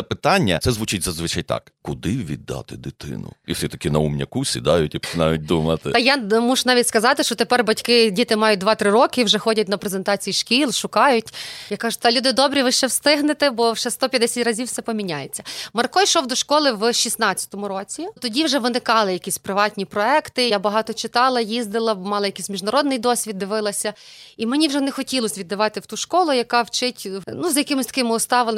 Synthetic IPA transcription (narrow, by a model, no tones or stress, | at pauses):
ɐpɪt̪ɑnʲːɐ̰sɛzʋut͡ʃɪtʲzɐzʋɪt͡ʃajt̪ɑ̰kkʊd̪ɪʋʲḭd̪ːɑ̰t̪ɪd̪ɪt̪ɪ̰nʊ̰iwsʲit̪ɐ̥kʲinɐumnʲɐ̰kusʲḭd̪ɑjʊtʲipɔ̥t͡ʃɪnɑjʊt̚ʲd̪umɐt̪ɪjamuʒnɑʋʲitʲskɐzɑt̪ɪʃt͡ʃɔt̪epɛrbɐtʲkɪdʲit̪ɪmɑjʊt̚ʲd̪ʋɑt̪ɾɪɾɔkɪwʒɛxɔdʲɐt̚ʲnɐpɾezent̪ɑt͡sʲijiʃkʲilˠʃʊkɑjʊtʲjakːɑʒʊt̪ɐlʲud̪ɪd̪ɔbɾʲiʋɪʃt͡ʃɛwst̪ɪɦnɪt̪ɪbɔwʒɛst̪ɔpʲjɐd̪ɛsʲatʲrɐzʲiwsɛpɔmʲinʲajet͡sʲːɐmɐrkɔjʃɔwd̪ɔʃkɔlˠɪwʃisnɑt͡st͡sʲːɐ̥t̪ɔmʊɾɔt͡sʲit̪ɔdʲiwʒɛʋɪnɪkɑlˠɪjɐkʲisʲpɾɪʋɑtʲnʲipɾɔɛkt̪ɪjabɐɦɑt̪ɔt͡ʃɪt̪ɑlˠɐjizd̪ɪlˠɐmɑlˠɐjɐkisʲmʲiʒnɐɾɔd̪nɪjd̪ɔsʲʋʲid̪d̪ːɪʋɪlˠɐsʲɐimenʲiwʒɛnɛxɔtʲilˠɔsʲʋʲid̪ːɐʋɑt̪ɪwt̪uʃkɔlˠʊjɐkɑwt͡ʃɪtʲnuzjɐkɪmɪsʲt̪ɐ̥kɪmɪʊst̪ɑʋɪl